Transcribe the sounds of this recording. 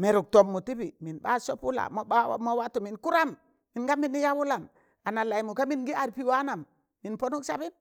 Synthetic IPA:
me˨ɾu˨k̚to˨mːu˨ti˦bi˨mi˨nba̰˦so˦pu˦la̰˨m˦ba˦˨mo˦wa˦tu˨mi˨nku˦ɾa˦mː | i˨nɡa˦mi˦ni˦ja˦wu˦la˨m | a˨na˨la˨i˨mu˨ka˦mi˦nɡi˦a˨ɾpi˦wa˦na˨mː | i˨npo˦nu˦ksa˦bi˦n

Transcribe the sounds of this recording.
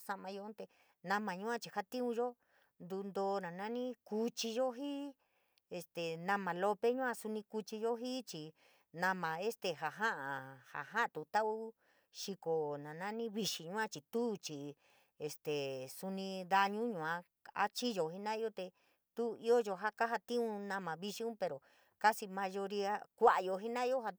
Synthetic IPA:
sa˧mã˧jõ˧˦t̪e˧ | nã˧mã˨˧ɲũ˦ã˦t͡ʃi˧ha˦t̪ĩ˦ũ˧ʒo˦ | nd̪u˧nd̪oː˧nã˨nã˦nĩ˦ku˧t͡ʃi˧ʒo˦ɦi˦ | e˧st̪e˨nã˧mã˨lo˧pe˦ɲũ˦ã˧su˧nĩ˧ku˧t͡ʃi˧jo˦ɦi˦t͡ʃi˧ | nã˧mã˨e˦st̪e˨ɦa˨ɦã˦ʔa˨ha̰˨ɦã˦ʔt̪u˨t̪a˦ʔu˦ | ʃi˧ko˨nã˨nã˦nĩ˦βi˧ʃi˨ɲũ˦ã˧t͡ʃi˨t̪u˦t͡ʃi˨ | e˧˨st̪e˨su˧nĩ˧ða˧ɲũ˦ɲũ˨ã˧ | a̰˦t͡ʃi˦jo˧ɦi˦nã˦i˦o˦t̪e˧ | t̪u˦i˦o˦jo˧ɦa˦ka˦ɦa˧t̪ĩ˦ũ˧nã˧mã˨βi˧ʃi˧ũ˦pe˨˧ɾo˨ | ka˦si˧mã˧ʒo˧ɾi˧a˦kʷa˦˨ʔa˧jo˧ɦi˦nã˦i˦o˦ha˧

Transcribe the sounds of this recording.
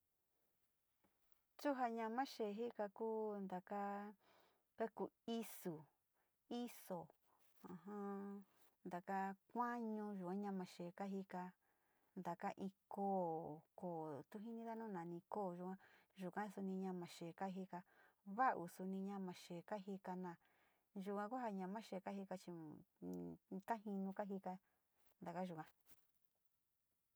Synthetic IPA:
t͡ʃu˦ɦa˧ɲã˧mã˦ʃe˨ɦi˦ka˧kuː˦nd̪a˨ka˦ | ka˦ku˧˨i˦su˨ | i˦so˨ | ã˨ɦã˦ | nd̪a˨ka˦kʷã˦ɲũ˧ʒu˨ã˦ɲã˧mã˨ʃe˨ka˦ɦi˧ka˧ | nd̪a˨ka˦ʔĩ˧koː˦koː˨t̪u˦ɦĩ˦nĩ˧ða˦nũ˦˨nã˨nĩ˧koː˦˨ʒu˧kʷã˦ʒu˨kã˦su˧nĩ˧ɲã˧mã˨ʃe˨ka˦ɦi˧ka˧βa˦˧ʔu˧˨su˧nĩ˧ɲã˧mã˨ʃe˨ka˦ɦi˧ka˧nã˨ | ʒu˧kã˧ku˦ha˧ɲã˧mã˦ʃe˧˨ka˦ɦi˧ka˧t͡ʃi˧ | ka˦ɦĩ˧nũ˧ka˦ɦi˧ka˧ | nd̪a˨ka˦ʒu˨kã˧

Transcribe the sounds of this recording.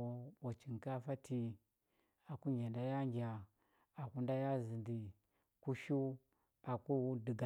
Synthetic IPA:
ɓa˨t͡ʃi˨ŋka˦fa˦tʰi˦ | a˨ku˦ɲʲa˨nda˦ja˦ŋɡʲa˨ | a˨ku˦nda˦ja˦zi˨ndi˨ | ku˦ʃu˦ | a˨ku˦di˨ɡa˨

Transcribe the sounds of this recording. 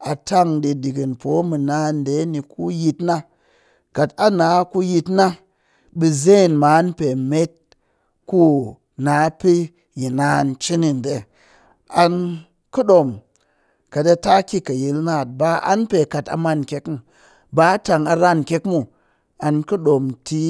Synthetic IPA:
a˨ta˦ŋdi˧di˨ɡi˨npo˨˦mɨ˨na˦n˨de˨˦ni˨ku˦ji˧tna˦ | ka˨ta˦na˨˦ku˧ji˧tna˦ | bi˧ze˦˨nma˨˦npe˨me˦t̚ | ku˦ | na˨˦pi˦ | ji˨na˦˨nt͡ʃi˦ni˨n˨de˨˦ | a˧n | kɨ˦ɗo˨m | ka˨ta˧ta˦kʲi˦ka˨ji˨lna˦˨t̚ba˦a̰˦npe˨ka˨ta̰˧ma˦˨nkʲe˦kmu˨ | ba˦ta˨ŋa˧ɾa˦nkʲe˦kmu˦ | a˧nkɨ˦ɗo˨mti˦

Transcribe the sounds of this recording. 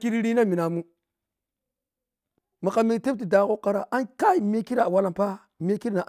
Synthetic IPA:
ki˦ɾɾi˦na˦mi˨na˨mu˦ | mi˨ka˨mi˦˨te˦p̚t̬i˨da˨ko˦ka˨ɾa˨ʔa˦nka˦i˨me˦ki˦ɾa˨wa˦la˨mpa˦ | me˦ki˦ɾna˨ʔ

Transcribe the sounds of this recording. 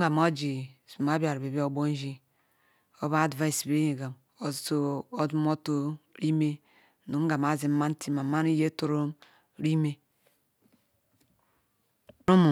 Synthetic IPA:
ɡa˨mo˦d͡ʒi˨su˨ma˦bi˦a˨ɾbe˨bi˦o˦bo˦n˦ʒi˦ | o˦βa˦˨dva˦i˨sbe˦je˨ɡa˨m | o˨˦so˦o˦du˦m˦o˦to˦ɾi˦me˦˨ | nu˨m˦ɡa˨ma˨zi˨m˦ma˦n˦ti˦ma˨ma˦ni˦je˦to˨ɾo˦m | ɾi˦me˦ | ɾu˦mu˨

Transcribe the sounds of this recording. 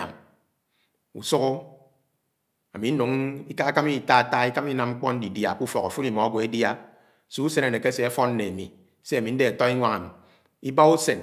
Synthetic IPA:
a̰˨m | ṵ˨su˦ko˦ | a̰˨mi˨n̩˦nu˨ŋi˦ka˦a˦ka˦mi˦˨ta˦a˨ta˦i˦ka˦m˦i˦na˨mŋ͡m̩˦k͡pɔ˦n̩˦di˨dja˨ku˦fɔ˨ka˨fu˦li˨mɔ˨a˦ɡʷe˨e˦dja˦˨ | su˦u˦se˦ne˨ne˨ke˦se˨e˦fɔ˦n̩˦ne˨a˨mḭ˨ | se˦a˨mi˨n̩˦de˦a˨tɔ˦i˦ŋʷa˦ŋa˨mḭ˨ | i˦ba˦u˦se˨n

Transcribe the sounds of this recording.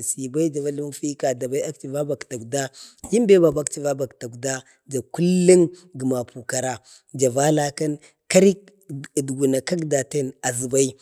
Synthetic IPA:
si˨ba˦i˦d͡ʒa˨va˦li˦m˦fi˦ka˨da˨ba˦i˦a˦k̚t͡ʃi˨va˦ba˨kta˨kda˦ji˦mbe˦ba˨ba˦kt͡ʃi˨va˦ba˨kta˨kda˦ | d͡ʒa˨ku˦lːi˦ŋɡi˨ma˨pu˨ka˨ɾa˨ | d͡ʒa˨va˦la˦ka˦n | ka˦ɾi˦k | dɡu˨na˨ka˦kda˨te˦na˨zi˨ba˦i˦

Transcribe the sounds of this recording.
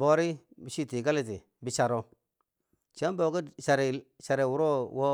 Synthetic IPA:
bo˨ɾi˦bi˨ʃi˦ti˨ɡa˦li˦t̬i˨ | bi˨t͡ʃa˨ɾo˨ | t͡ʃe˦mbo˨ɡi˦ʃa˨ɾi˨ʃa˨ɾe˨wu˨ɾo˦wo˦

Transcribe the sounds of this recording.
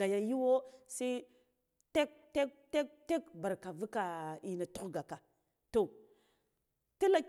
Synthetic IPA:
a˨ja˨ji˦wo˦sa˦ | te˦k̚te˦k̚te˦k̚te˦kba˨ɾka˨vu˦ka˨i˨na˨tu˦xɡa˨ka˨ | to˨ | ti˦la˦k

